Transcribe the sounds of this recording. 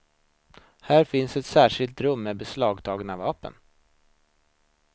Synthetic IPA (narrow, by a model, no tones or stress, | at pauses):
hæːɾfɪnsɛt̪sæːʂɪlt̪ɾɵmːɛbɛslɑːɡt̪ʰɑːɡnavɑːpə̰n